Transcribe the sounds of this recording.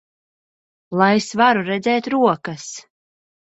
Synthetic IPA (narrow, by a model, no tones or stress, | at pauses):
lˠajesvaɾuɾɛd̪zɛːt̪ɾuɔkas